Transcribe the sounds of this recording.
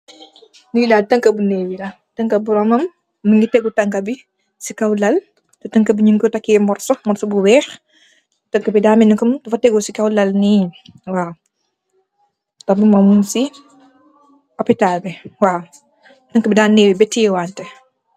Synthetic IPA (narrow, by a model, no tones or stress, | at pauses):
niidaːtɐŋkɐbuneːwilɐ | tɐŋkɐbuɾɔmɐmː | əŋɡitɛɡutɐŋkɐbi | sikɐwlɐl | tɔtɐŋkɐbiɲiŋkɔtɐkːimɔrsmɔnsubuwɛːx | tɐŋkɐbidaːminikɔmtɐfɐtɛɡusikɐwlɐlniɲwaː | tɐbumɐmunsi | ɔpitalbɛwaː | tɐŋkɐbidaːnnːeːwibɛtiɛwaːntɛ